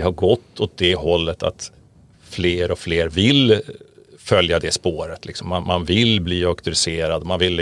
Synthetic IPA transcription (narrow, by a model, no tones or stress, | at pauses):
ɛhaɾɡɔt̪ːɔt̪̚d̪ɛhɔlːət̪ʰa̰t̪ | fleːɾɔfleːɾvɪl | fœljad̪ɛspoːɾət̪ʰlɪksɔmːanmanvɪlbliːakt̪ɵɾɪseːɾad̪ɔmanvɪl